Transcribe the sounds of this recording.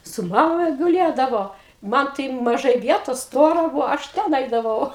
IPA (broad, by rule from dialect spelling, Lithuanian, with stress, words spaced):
sʊ ˈmɑːmɐ ɡʊˈlʲeːdɐʋoː ˈmɐn tɐɪ mɐˈʒɐɪ ˈʋʲiɛtoːs ˈstoːrɐ ˈbuːʋoː ɐʃ ˈtʲɛn ˈɐɪdɐʋɐʊ